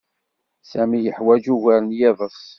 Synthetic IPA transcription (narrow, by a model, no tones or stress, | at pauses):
sæmijəħwæd͡ʒuʝæɾənjæðˤəɾs